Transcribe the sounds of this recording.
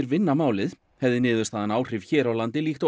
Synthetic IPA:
ɪɾvɪnːamaːwlɪð | hɛvðɪnɪːðʏst̪aðanaːwr̥ɪvçɛːɾawlant̪ɪliːxt̪

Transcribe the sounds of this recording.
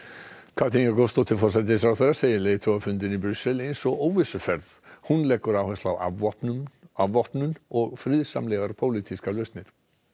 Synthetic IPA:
kʰat̪ʰinakost̪ot̪ʰɪlfɔɾsɛt̪ɪsawθejɾaseːjɪleːðt̪ʰɔafʏnt̪ɪnipɾʏsːɛlejnsɔɣoːwvɪsʏfɛɾðhunlɛkːʏɾaːwhɛst̪lawa̰pnavɔhpnʏnɔɣfɾɪðsa̰mlɛɣaɾpʰowliːt̪iskalœst̪nɪɾ̥

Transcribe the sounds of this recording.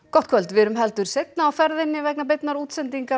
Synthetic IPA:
kɔht̪̚kʰvœlt̪vɪɾʏmɦɛl̪t̪ʏɾ̥sejt̪̚naːwfɛɾðɪnːɪvɛknap̬ɪt̪naɾuːt̪sɛnt̪iŋka

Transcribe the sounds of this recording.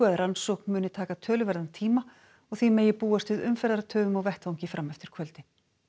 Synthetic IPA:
œːðɾansɔwknmʏːnɪt̪ʰaːkat̪ʰœːlʏvɛɾðant̪ʰiːma | ɔɣθimɛːjɪpuːast̪vɪðʏmfɛɾðaɾat̪ʰœːvʏmawvɛht̪awɲcɪfɾamːɛft̪ɪɾ̥kʰvœlt̪ɪ

